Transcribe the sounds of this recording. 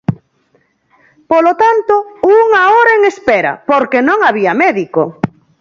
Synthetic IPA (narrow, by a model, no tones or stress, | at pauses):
polot̪ant̪ouŋaoɾaeŋespeɾɐ̰poɾkenõŋaβiɐmɛðiko